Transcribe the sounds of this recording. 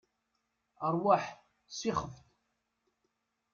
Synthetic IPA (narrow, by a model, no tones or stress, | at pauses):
əɾˤwaħ | siχəvθ